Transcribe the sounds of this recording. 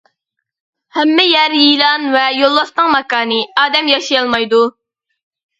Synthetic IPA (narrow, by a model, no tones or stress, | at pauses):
hɛmːɪjɛɾjilˠɑnvɛjolˠːɑsnɨŋmɑkɑːnɨɑːd̪ɛmjɑʃijɑlˠmɑjd̪u